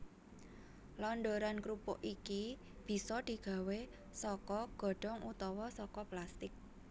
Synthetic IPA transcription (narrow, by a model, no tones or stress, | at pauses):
lɔnɖoɾankɾupɔ̰ʔiki | b̥i̤sɔd̪̥i̤ɡ̥ä̤we | sɔkɔɡ̥ɔ̤ɖ̥ɔ̤ŋut̪ɔwɔsɔkɔplast̪ɪk̚